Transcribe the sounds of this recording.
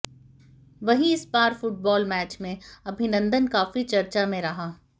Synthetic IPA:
ʋɐɦĩɪspaːɾfʊʈ̚bɔːlmɛːt͡ʃmẽɐbʱɪnə̃nd̪ənkaːfit͡ʃɐɾt͡ʃamẽɾɐɦaː

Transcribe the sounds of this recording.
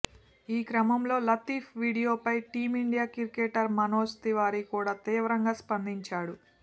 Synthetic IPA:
iːkɾɐmɐmlo̞ːlɐt̪iːpʰʋiːɽijo̞ːpɐjʈiːmiɳɖijaːkiɾkeʈɐɾmɐnoːst̪iʋaːɾikuːɽaːt̪iːʋɾɐŋɡaːspɐnd̪iɲt͡ʃaːɽu

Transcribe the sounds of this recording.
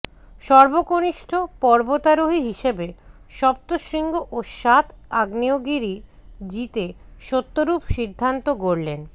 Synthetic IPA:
ʃɔɾbokoniʃʈʰopɔɾbot̪aɾoɦiɦiʃebe | ʃɔp̚t̪oʃɾiŋɡoʔoʃat̪ʰaɡnioɡiɾid͡ʑit̪eʃot̪ːoɾupʃid̪ʱːant̪oɡoɾlen

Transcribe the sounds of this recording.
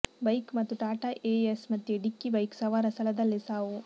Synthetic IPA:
bɐjkmɐt̪ːuʈaːʈaːʔeesmɐt̪ːjuɖikːibɐjksɐʋaːɾɐstɐlɐd̪ɐlːisaːʋu

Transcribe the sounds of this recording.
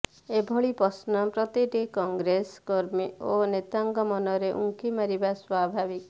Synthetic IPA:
ebʱɔɭipɔsnɔpɾɔt̪iʈikɔŋɡɾeskɔɾmionet̪aŋɡɔmɔnɔɾeʔṵŋkimaɾibaswabʱabik

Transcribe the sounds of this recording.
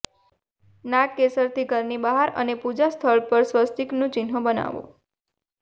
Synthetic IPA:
nakːesəɾt̪ʰikəɾnibaɦaɾə̰nepud͡ʒast̪ʰəɭpəɾsʋəst̪iknũt͡ʃɪnɦõbəna̰ʋo̰

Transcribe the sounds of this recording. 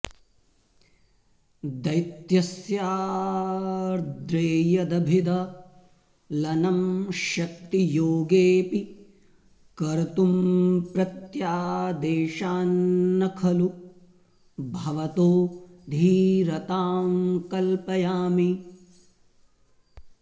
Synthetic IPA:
d̪ɐjt̪jɐsjaː | d̪ɾeːjɐd̪ɐbʱid̪ɐ | lɐnɐmʃɐk̚t̪ijoːɡeːpi | kɐɾɐt̪umpɾɐt̪jaːd̪eːʃaːnːɐkʰɐlu | bʱɐʋɐt̪oːd̪ʱiːɾɐt̪aːmkɐlpɐjaːmi

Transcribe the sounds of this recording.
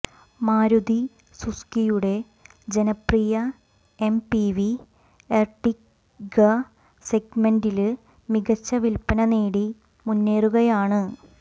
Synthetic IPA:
maːɾud̪i | suskijuɽe̞ | d͡ʑe̞nɐprijɐ | empiʋi | erʈːik | ɡɐ | seɡmendil | miɣɐt͡ɕːɐʋilpːɐnɐneːɽi | munːeːruɣɐjaːɳɨ

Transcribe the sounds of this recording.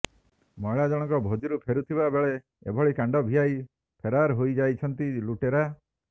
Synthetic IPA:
mɔjɭad͡ʒɔɽ̃ɔŋkɔbʱod͡ʒiɾupʰeɾut̪ʰibabeɭe | ḛbʱɔɭikaɳɖɔbʱiaj | pʰeɾaɾɦojd͡ʒajt͡ʃʰɔnt̪iluʈeɾa

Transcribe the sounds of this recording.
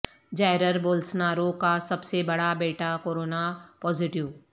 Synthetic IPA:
d͡ʒaːɪɾəɾboːlsnaːɾõkasɐbsebɐɽabeːʈakoːɾoːnapɔːzɪʈɪʋ

